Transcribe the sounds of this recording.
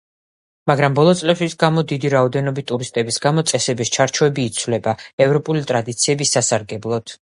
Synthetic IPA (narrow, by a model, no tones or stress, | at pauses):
maɡɾambɔlˠɔt̪sʼlɛpʃisɡamɔd̪id̪iɾaɔd̪ɛnɔbit̪ʼuɾist̪ʼɛbisɡamɔt̪sʼɛsɛbist͡ʃʰaɾt͡ʃʰuɛbiːt̪sʰvlɛbaɛvɾɔpʼulit̪ʼɾad̪it̪sʰiɛbisasaɾɡɛblˠɔd̪̥